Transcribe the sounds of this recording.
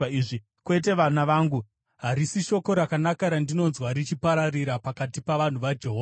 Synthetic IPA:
iʐi | kwe̞t̬e̞ʋanaʋaːŋɡu | ɦaɾisiʃo̞ko̞ɾakanakaɾandino̞nzwaɾit͡ʃipaɾariɾapakatipaʋan̤uʋad͡ʒe̞ɦo

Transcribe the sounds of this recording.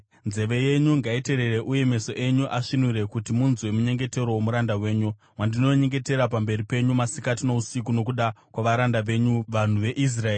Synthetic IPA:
nze̞ʋe̞je̞ɲuŋɡaite̞ɾereʔuje̞me̞so̞ʔe̞ɲuʔaʂinuɾe̞kutimunzwe̞muɲe̞ŋɡe̞te̞ɾowomuɾandawe̞ːɲu | wandino̞ɲe̞ŋɡe̞te̞ɾapambe̞ripe̞ɲumasikatino̞usikuno̞kuɗakwaʋaɾandaʋe̞ɲuʋan̤uʋe̞ʔis̬raeːi

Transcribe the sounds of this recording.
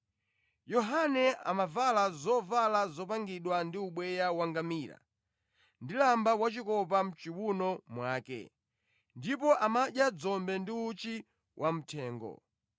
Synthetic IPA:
jɔɦanɛa̰mavalazɔvalazɔpaŋɡiɗwandiuɓwɛjawaŋɡamiːɾa̰ | ndilambawat͡ʃikɔp̬am̩t͡ʃiwunɔmwaːkɛ̰ | ndip̬ɔʔamaʄjad͡zɔmbɛndiut͡ʃi | wʔam̩tʰɛːŋɡɔ̰

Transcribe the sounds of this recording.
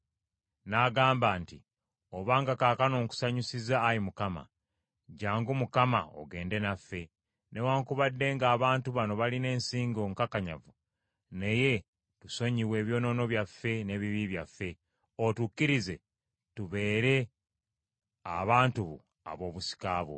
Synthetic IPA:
naɡaːmbaːnti | oβaːŋɡakaːkano̞ːŋku̥saɲusizaːjimukama̰ | ɟaːŋɡumukama̰o̰ɡe̞ːnde̞nafːe̞ | ne̞waːŋkuβadːe̞ŋɡaːβaːntuβano̞βaline̞ːnsiːŋɡo̞ŋkakaɲa̰vu | neje̞ | tuso̞ɲiwe̞ːβjo̞ːno̞no̞βjafːe̞ne̞ːβiβiβjafːe̞ | otukːiɾize̞ | tuβe̞ːɾe̞ | a̰βaːntuβṵ | a̰βo̞ːβusi̥kaːβwo̰

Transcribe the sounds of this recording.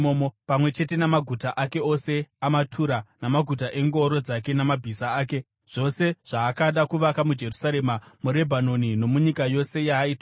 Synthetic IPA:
oːmopamwe̞t͡ʃe̞te̞namaɡʱutaʔake̞o̞se̞amatʰuɾanamaɡʱutaʔe̞ŋɡoɾo̞d͡zak̬e̞namabʱisaaːke̞ | ʐ̥o̞se̞ʐ̥aːkaɗakuʋakamud͡ʒe̞rusaɾe̞ːmamuɾe̞bʱano̞nino̞muɲikajo̞se̞jaːita

